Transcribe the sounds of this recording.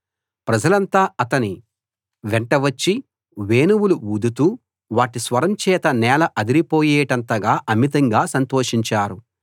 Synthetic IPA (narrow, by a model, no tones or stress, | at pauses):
pɾɐd͡ʒɐlɐnt̪aːɐt̪ɐni | ʋɛɳʈɐʋɐt͡ʃːi | ʋeːnuwuluuːd̪ut̪uː | ʋaːʈisʋɐɾɐmt͡ʃɛːt̪ɐnɛːlɐʔɐd̪iɾipoːjeːʈɐnt̪ɐɡaːʔɐmit̪ɐŋɡaːsɐnt̪oːʂiɲt͡ʃaːɾu